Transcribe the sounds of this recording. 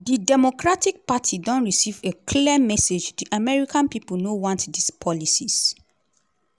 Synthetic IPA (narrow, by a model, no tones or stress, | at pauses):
didɛmokɹatik̚patʰidɔ̃nɹisivekʰliɛmɛsed͡ʒdiʔamɛɹikãnpipl̩nowɔ̃ntdispʰɔlisis